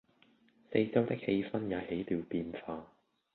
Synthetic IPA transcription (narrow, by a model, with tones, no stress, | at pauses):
se˧jt͡sɐ˥wt̪ɪ˥k̚he˧jfɐ˥njɐ˨˧he˨˥jt̪iː˨wpiː˧nfaː˧